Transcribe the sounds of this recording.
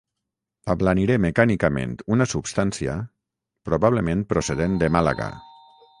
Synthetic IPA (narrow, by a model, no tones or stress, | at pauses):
aβlaniɾemekanikamḛnt̪unasupst̪ansia̰ | pɾoβaβlemẽn̚pɾoseðend̪emala̰ɣa̰